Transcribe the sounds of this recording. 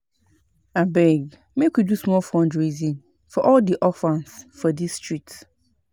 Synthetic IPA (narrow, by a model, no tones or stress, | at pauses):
abɛɡ | mẽkʷidusmɔlfɔ̃ndɹezĩn | fɔʔɔldiʔɔfãnsfɔdistʰɹik̚t